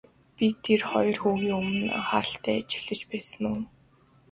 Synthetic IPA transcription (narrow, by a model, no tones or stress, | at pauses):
pit̪ʰːerχɔj̆rxuːɣiːŋɵmɘ̆na̰χaːɾə̆ɬt̪ʰæːt͡ɕɪ̥̆ɮɘ̆t͡ɕpæːsɘ̆nuː